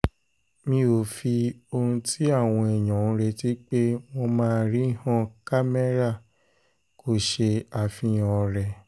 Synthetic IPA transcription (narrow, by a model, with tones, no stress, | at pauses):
mĩ˧o˨fi˧o˧hũ˧tʰi˦a˦˨w̃ɔ̃˧ɛ˨j̃ɔ̃˨ñ̩˦ɾe˧ti˦k͡pe˦w̃ɔ̃˧mãː˦˧ɾi˦hã˦ka˦me˦ɾa˦˨ | kʰo˨ʃe˧a˨fĩ˧jɔ̃˨˧ɾɛ˧